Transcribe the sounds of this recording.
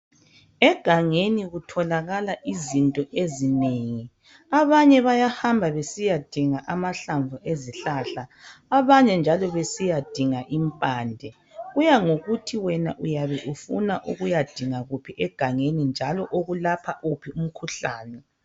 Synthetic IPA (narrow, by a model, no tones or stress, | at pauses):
ɛɡ̥ʱaŋeniɣutʰɔlaɣalaʔizintʼɔʔezineŋi | aβaɲɛβajahambʱaβesijad̥ʱiŋaʔamaɬaɱvuʔeziɬaːɬaːβaɲɛnd͡ʒʱalɔβesijad̥ʱiŋaʔimpʼaːndʱɛ | ɣujaŋoɣutʰiwɛnaʔujaβɛʔufṵnaʔuɣujad̥ʱiŋaɣupʰiʔɛɡ̥ʱaŋenind͡ʒʱalɔʔoɣulapʰaʔupʰium̩kʰuɬaːnɛ